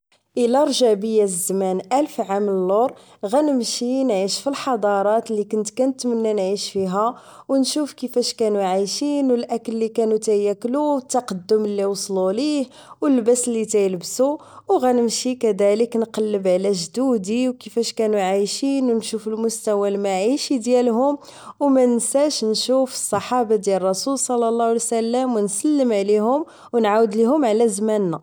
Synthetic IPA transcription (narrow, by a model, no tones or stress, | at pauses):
ʔəlæɾˤʒæbəjːæzːmænʔælfʕaməlːoɾˤ | ɣænəmʃinʕiʃfilħɑd̪ˤɑɾˤɑt̪likʊnt̪kænət̪mənːænʕiʃfiɦæ | wnʃufkəfæʃkænuʕajʃinwəlʔækəlːikænut̪æjækːluwət̪ːɑqɑd̪ːʊmlːiwsˤlulih | wəlːbæsəlːit̪æjəlbsu | wɣænəmʃikæd̪æləknqɑlːəbʕlæʒd̪ud̪iwkəfæʃkænuʕajʃinwnʃufəlmʊst̪æwælmaʕiʃid̪jælɦʊm | wmænəsæʃnʃufə̥sˤːɑħɑbɑd̪jælrˤːɑsulsˤɑlːɑlˤːɑlisælːəmwənsəlːəmʕliɦʊm | wnʕawəd̪liɦʊmʕlæzmænːæ